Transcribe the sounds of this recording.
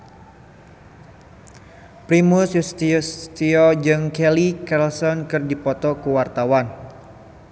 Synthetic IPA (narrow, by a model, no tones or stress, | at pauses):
pɾimʊsust̪ist̪iɔd͡ʒɨŋkɛlikɛlsɔnkɨrdipɔt̪ɔkuwart̪awan